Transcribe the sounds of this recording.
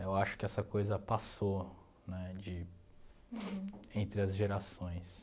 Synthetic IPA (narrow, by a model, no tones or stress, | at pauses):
ewaʃʊ̥kɪɛsɐkojzɐpaso | nɛd͡ʒɪ | ẽnt̪ɾɪɐzʒeɾasõj̃s